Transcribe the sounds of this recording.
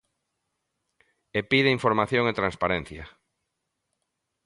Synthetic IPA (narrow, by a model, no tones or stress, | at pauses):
epiðeiɱfoɾmaθjoŋet̪ɾanspaɾɛn̟θjɐ